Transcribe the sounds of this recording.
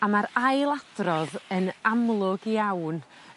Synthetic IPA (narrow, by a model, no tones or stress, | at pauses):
amaɾajlˠad̥rɔðənamlˠʊɡiawn